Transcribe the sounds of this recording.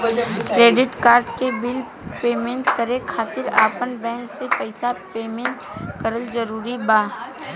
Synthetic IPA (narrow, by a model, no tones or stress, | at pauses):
kɾeːɖɪʈkaːɾɖkebɪl | peːmẽɳʈkəɾekʰaːt̪ɪɾa̰ːpənbɛ̃ːŋksepəɪsapeːmẽɳʈ | kəɾəld͡ʒəɾuːɾibaː